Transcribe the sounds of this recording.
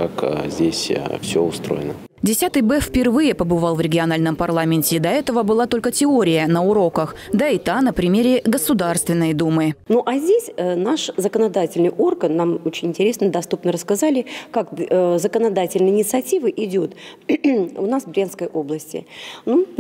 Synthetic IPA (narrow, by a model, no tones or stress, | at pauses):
kakzʲdʲesʲfsʲo̰ʊst̪ɾo̰jɪ̰nə | dʲɪsʲat̪ɨjbɛfʲpʲɪrvɨjəpəbɨvɑlˠvɾʲɪɡʲɪɐnalʲnəmpɐrlˠamʲɪnʲtʲɪd̪ɐɛt̪əvəbɨlˠat̪o̞lʲkətʲɪoɾʲɪjənəʊɾo̞kəxd̪aɪt̪anəpɾʲɪmʲeɾʲɪɡəsʊd̪arst̪vʲɪnːəjd̪umɨnoʔazʲdʲesʲənaʂzəkənɐd̪atʲɪlʲnɨjʔo̞rɡənːamot͡ɕɪnʲɪnʲtʲɪɾʲesnəd̪ɐst̪upnəɾəskɐzalʲɪkakzəkənɐd̪atʲɪlʲnəjɪnʲɪt̪sɨɐtʲivəʔɪdʲo̞t̪ | ʊnasvbɾʲanskəjʔo̞blˠəsʲtʲɪ̰nu